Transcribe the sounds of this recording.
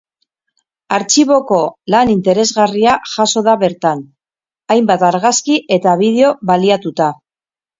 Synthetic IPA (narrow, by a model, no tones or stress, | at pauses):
aɾt͡ʃiβ̞o̞ko̞lanint̪e̞ɾe̞zɣariaʝaso̞ð̞aβe̞ɾt̪an | ajmbat̪aɾɣaskiʔe̞t̪aβ̞ið̞e̞o̞βaliat̪ut̪a